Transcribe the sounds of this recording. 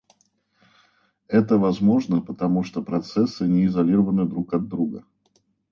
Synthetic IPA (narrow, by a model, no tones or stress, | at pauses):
ɛt̪əvɐzmo̞ʐnəpət̪ɐmuʂt̪opɾɐt̪sɛsːɨnʲɪɪzɐlʲiɾəvənɨd̪ɾukɐd̪ːɾuɡə